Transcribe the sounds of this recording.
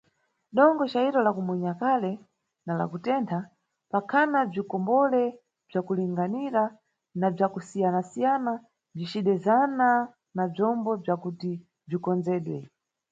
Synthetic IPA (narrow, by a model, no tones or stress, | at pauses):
ɗɔŋɡɔt͡ʃaiɾɔlakumuɲakalɛ | nala̰kutɛntʰa | pakʰanab͡ʐikɔmbɔlɛ | b͡ʐakuliŋɡaniɾa | nab͡ʐakusijanasijana | b͡ʐit͡ʃiɗɛzana | nab͡ʐɔmbɔb͡ʐakuti | b͡ʐikɔnd͡zɛːɗwɛ